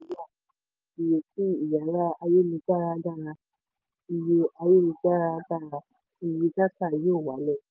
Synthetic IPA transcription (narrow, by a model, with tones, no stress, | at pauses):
ja˦˨ | i˨je˨ki˦i˨ja˨˦ɾa˦a˧je˦lu˧ɡ͡ba˦˨ɾa˧˦ɡa˦˨ɾã˧ | i˧je˧a˧je˦˨lu˧ɡ͡ba˦˨ɾa˧˦ɡa˦˨ɾa˧ | i˧˨ji˧ta˦tã˦˨jo˦˨wa˨˦lɛ˦˨